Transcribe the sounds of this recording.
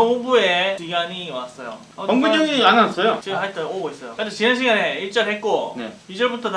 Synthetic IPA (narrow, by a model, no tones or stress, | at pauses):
ɦoŋbuekiɡaɲiwas͈ʌjo̰ | ʌkʌŋɡud͡ʑʌɡianas͈ʌjot͡ɕiɡɦaɭt͈ʌoɡois͈ʌjokɯd͡ʑʰat͡ɕinanɕʰiɡaneiɭt͡ɕ͈ʌnɦet̚k͈oneid͡ʑʌɭbutʰʌt